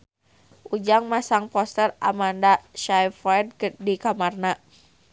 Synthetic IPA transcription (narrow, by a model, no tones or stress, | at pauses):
ʔud͡ʒaŋmasaŋpɔst̪əra̰mandaʃajfad̚kədikamarna